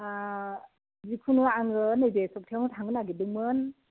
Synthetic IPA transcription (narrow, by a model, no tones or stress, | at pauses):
zikʰunuaŋɡɯnɯjbesɔk̚tʰawntʰaŋɡɯnaɡidɯŋmɯn